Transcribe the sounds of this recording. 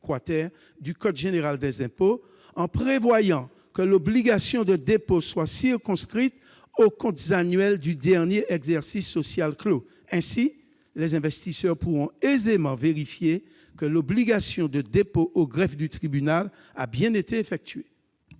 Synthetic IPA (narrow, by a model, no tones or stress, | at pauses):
kwat̪ɛʁ | d̪ykɔt̪ʒeneʁald̪ɛzɛ̃po | ɑ̃pχevwajɑ̃ | kəlobliɡasjɔ̃d̪əd̪eposwasiʁkɔ̃skχit̪ | okɔ̃t̪zanɥɛld̪yd̪ɛʁnjeʔɛɡzɛʁsisːosjalklo | ɛ̃si | lɛzɛ̃vɛst̪isœʁpuʁɔ̃ezemɑ̃veʁifje | kəlobliɡasjɔ̃d̪əd̪epoʔoɡʁɛfd̪yt̪χibynal | a̰bjɛ̃net̪eefɛk̚t̪ɥe